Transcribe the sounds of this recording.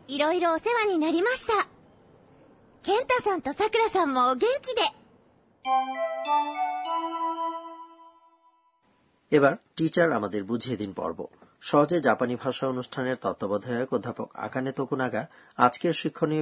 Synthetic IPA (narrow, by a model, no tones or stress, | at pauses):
iɾoiɾoːse̞βaɲ̟inaɾʲimaɕi̥t̪a | kẽ̞nt̪asãnt̪osakɯ̟ɾasãmːoɡẽ̞ŋkʲid̪e̞ | ebaɾʈit͡ɕaɾamad̪eɾbud͡ʑʱied̪inpɔ̰ɾbo̰ʃɔɦod͡ʑed͡ʑapanibʱaʃaonuʃʈʰaneɾt̪ɔt̪ːobɔd̪ʱaokod̪ʱːapoka̰kanet̪okunaɡaad͡ʑkeɾʃikʰːoni